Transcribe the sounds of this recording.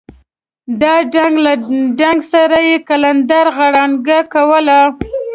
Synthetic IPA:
d̪ɑɖaŋɡlad͡ʒaŋɡsaɾajekaland̪aɾɣaɽanɡakawəla

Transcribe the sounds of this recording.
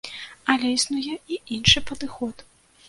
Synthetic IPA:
ɐlʲɛisnujɛiinʂɨpɐd̪ɨxɔt̪

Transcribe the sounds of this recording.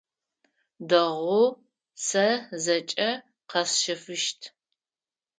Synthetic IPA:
dɐʁʷʊ | sɐzɐt͡ʃʼɐ | qɐsʃɐfɨʃtʰ

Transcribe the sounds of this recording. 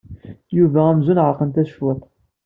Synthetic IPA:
juvææmzunʁəɾqːənt̪æʃwət̪ˤ

